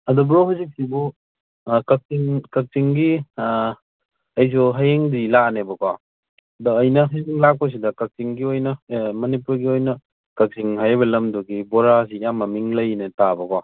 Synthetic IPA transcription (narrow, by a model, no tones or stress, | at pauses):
ɐdɔbɾoɦazik̚sibu | kɐk̚siŋkɐk̚tiŋɡi | ɐjs̬ɔɦajeŋdilanebɐkwa | dɔːjnɐɦaziŋlak̚pɐs̬idɐkɐk̚siŋɡiojnɐmɐnipuɾɡiojnɐ | kɐk̚siŋhajbɐlɐmdɔɡibɔɾas̬iːjamːɐmiŋlɐjnetabɐkwa